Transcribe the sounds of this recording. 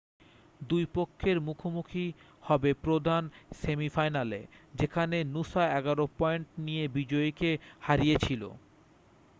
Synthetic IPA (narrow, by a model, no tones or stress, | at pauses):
d̪ujpokʰːeɾmukʰomukʰi | hɔbepɾod̪ʱansemifajnaled͡ʑekʰanenusaɛɡaɾopɔeɳʈnijebid͡ʑɔekehaɾijet͡ɕʰilo̰